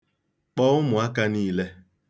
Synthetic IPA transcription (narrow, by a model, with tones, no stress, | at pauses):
k͡pɔ˦ʊ˦mʊ˨a˦ka˦niː˦le˦